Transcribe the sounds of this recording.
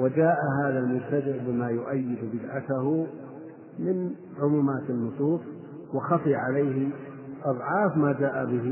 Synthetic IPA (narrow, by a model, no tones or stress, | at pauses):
wɪd͡ʒaːʔaɦaːðalmʊbt̪ad̪ɪʕbɪmaːjʊʔajːɪd̪bɪd̪ʕat̪ahʊ | mɪn | ʕʊmuːmaːt̪ɪnːʊsˤuːsˤ | wɪxɑfiːʕalajhɪ | ʔɑðˤʕɑːfmaːd͡ʒaːʔabɪɦ